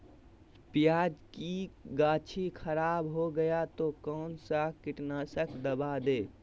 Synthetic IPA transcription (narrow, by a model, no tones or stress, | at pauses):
pɪjaːd͡ʒkiɡaːt͡ʃʰikʰəɾaːbɦoɡəjat̪okɔːnsakɪʈnasəkʰd̪əbad̪eː